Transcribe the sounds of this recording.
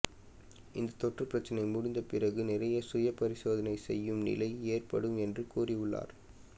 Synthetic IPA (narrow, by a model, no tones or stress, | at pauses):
ʔɪnd̪ɐt̪ɔʈːrɯpːɪɾɐt͡ʃːɐnɐɪmʊɽɪnd̪ɐpɪrɐɣɯnɪrɐjɐsʊjɐpɐɾɪsoːðɐnɐɪsɛjːɯmnɪ̰lɐɪeːrpɐɽɯmɛndrɯkuːrɪʋʊɭːa̰ːɾ